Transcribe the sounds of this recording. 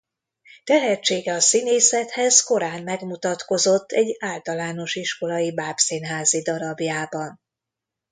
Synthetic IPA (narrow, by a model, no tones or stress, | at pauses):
t̪ɛɦɛt͡ʃːeːɡɛɒsineːsɛt̪hɛzko̞ɾaːnmɛɡmut̪ɒt̪ko̞zo̞t̪ʰːɛɟːaːlt̪ɒlaːno̞ʃiʃko̞lɒjibaːpsiːnɦaːzid̪ɒɾɒbjaːbɒn